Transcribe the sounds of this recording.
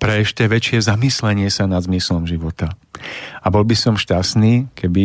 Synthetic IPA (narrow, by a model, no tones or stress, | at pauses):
pɾɛɛʃcɛʋɛt͡ʃɪɛzamislɛɲɪɛsanad̪zmislɔmʒiʋɔt̪a | abɔlbisɔmʃcasniːkɛbi